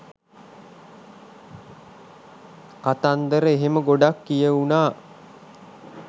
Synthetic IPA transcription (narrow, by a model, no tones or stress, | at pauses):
kat̪and̪əɾəeɦeməɡoɖakːijəunaː